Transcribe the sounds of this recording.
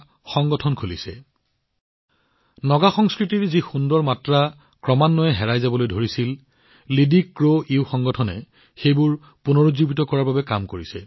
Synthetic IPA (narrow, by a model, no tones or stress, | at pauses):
xɔŋɡɔtʰɔnkʰulisɛ | nɔɡaxɔŋskɹitiɹzixundɹɔɹmatɹa | kɹɔmanːɔjɛɦɛɹajzabɔlojdʱoɹisil | lidikɹoiwxɔŋɡɔtʰɔnɛ̰ | xejbʊɹ | punoɹozubitɔkɔɹaɹbabɛkamkoɹisɛ̰